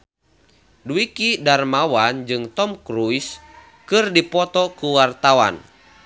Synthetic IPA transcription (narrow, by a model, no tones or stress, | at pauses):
duikidarmawand͡ʒɨŋt̪ɔmkɾujs | kɨrdipɔt̪ɔkuwart̪awa̰n